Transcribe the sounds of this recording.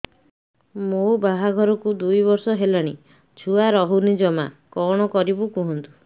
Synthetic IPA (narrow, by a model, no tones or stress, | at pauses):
mobaɦaɡʱɔɾɔkud̪ujbɔɾsɔɦelaɽ̃i | t͡ʃʰuaɾɔɦunid͡ʒɔma̰kɔɽ̃ɔkɔɾibukuɦɔnt̪u̥